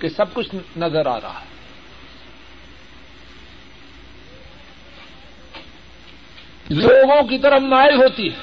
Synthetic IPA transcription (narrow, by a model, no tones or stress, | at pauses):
kesɐb̚kʊt͡ʃʰnɐzəɾa̰ːɾa̰ɦaɦɛ | loːɡõkit̪ɐɾənaːɪlɦoːt̪iɦɛː